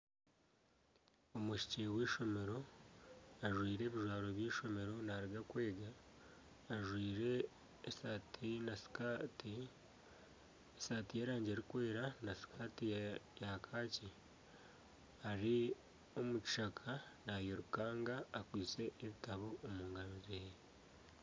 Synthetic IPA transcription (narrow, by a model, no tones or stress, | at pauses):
omuʃi̥ceweːʃo̞me̞ɾo̞ | aʒwiːɾe̞ːβiʒwaːɾo̞βjiːʃo̞me̞ɾo̞naːɾiɡakwe̞ːɡaː | ʒwiːɾe̞ː | satʰinaskti | esatijeːɾaːɲɟeːɾikwe̞ːɾanasi̥kaːtijakʰaːci | aɾi | o̞muci̥ʃakʰanajoɾukaːŋɡaːkwiːt͡se̞ʔːβitaβoːmuːŋɡaɾozeːj